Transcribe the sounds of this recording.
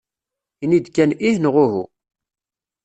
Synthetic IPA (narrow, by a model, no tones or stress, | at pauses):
inid̪kːænihnʁʊɦṵ